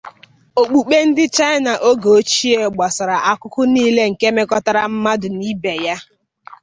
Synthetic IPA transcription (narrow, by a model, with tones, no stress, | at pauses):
o˨k͡pu˨k͡pe˦n̩˦dɪ˦t͡ʃa˦ɪ˦na˨ʔo˦ɡo˨o˦t͡ʃi˦e˨ɡ͡ba˨sa˨ɾa˨ʔa˦kʊ˦kʊ˦niː˦le˦ŋ̩˨ke˦me˦kɔ˦ta˦ɾa˨m̩˦ma˦dʊ˨ni˦be˨ja˦